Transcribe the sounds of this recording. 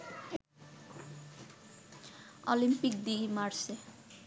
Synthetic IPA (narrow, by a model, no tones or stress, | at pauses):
ɔ̰limpikd̪imaɾse